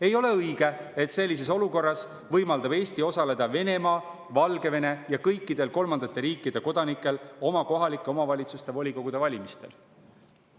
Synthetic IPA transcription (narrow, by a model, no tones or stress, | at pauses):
e̞jo̞le̞ɯjɡ̥e̞et̪se̞lʲːis̬e̞so̞luko̞rːɑs | vɤjmɑld̪ɑb̥e̞ːsʲt̪io̞sɑle̞d̪̥ɑve̞ne̞mɑː | vɑlɡe̞ve̞ne̞jɑkɤjkːˑid̪̥e̞lko̞lmɑnd̪ɑt̪ːˑe̞ɾiːkˑːid̪̥e̞ko̞d̪̥ɑnikːˑe̞lo̞mɑko̞ɦɑlikːˑeo̞mɑvɑlʲit̪sust̪e̞vo̞lʲiko̞ɡ̥ud̪̥e̞vɑlʲimist̪e̞̰l